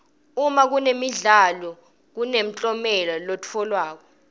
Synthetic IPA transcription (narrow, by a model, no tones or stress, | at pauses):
umak̬unemiɮalɔ | k̬unem̩t͡ɬʼɔmɛlɔlotʰɔlwaːk̬ɔ